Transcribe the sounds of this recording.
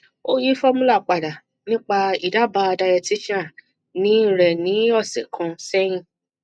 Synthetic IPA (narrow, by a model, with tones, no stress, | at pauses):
o˦ji˦fɔ˦mũ˦la˦˨k͡pa˨da˨ | nĩ˦k͡pa˧i˨da˨˦ba˧da˧jɛ˧ti˦ʃã˦˨ | nĩ˦˨ɾɛ˨nĩ˨˦ɔ˦˨sɛ̰˨kʰã˧sɛ˦j̃ĩ˦˨